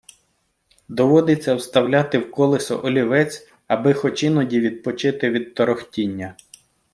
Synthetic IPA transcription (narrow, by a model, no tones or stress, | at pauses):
d̪ɔʋɔd̪ɪt͡sʲːɐwst̪ɐwlʲat̪ɪwkɔlˠɪsɔ̰ʔɔlʲiʋɛt͡sʲ | ɐbɪxɔt͡ʃɪnɔdʲiʋʲid̪̚pɔt͡ʃɪt̪ɪʋʲid̪̚t̪ɔɾɔxtʲinʲːɐ